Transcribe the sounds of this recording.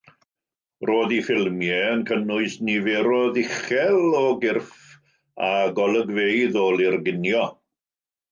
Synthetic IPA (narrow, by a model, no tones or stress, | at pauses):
roːðifɪlˠmjɛənkʰənʊɨsnivɛɾɔðɪχɛlˠɔɡɪrf | aɡɔlˠəɡvejðoːlˠɪrɡɪnjɔ